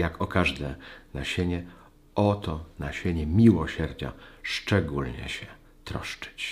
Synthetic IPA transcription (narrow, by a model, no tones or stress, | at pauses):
jakɔkaʐd̪ɛnaɕeɲɛ | ɔt̪ɔnaɕeɲɛmʲiwɔɕɛɾd͡ʑa̰ʂt͡ʂɛɡulɲɛ̰ɕɛ | t̪ɾɔ̰ʂt͡ʂɨ̥t͡ɕ